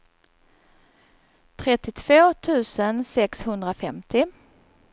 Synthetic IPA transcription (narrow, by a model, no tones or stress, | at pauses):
t̪ʰɾɛt̪ːɪt̪ʰv̥oːt̪ʰʉ̟ːsənsɛkshɵnd̪ɾafɛmt̪ʰɪ